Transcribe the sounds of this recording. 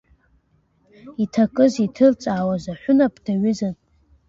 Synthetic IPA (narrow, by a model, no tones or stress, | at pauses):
itʰakʼɨzitʰɨrt͡sʼaːwazaħʷʊnapʰtʰaɥʏzan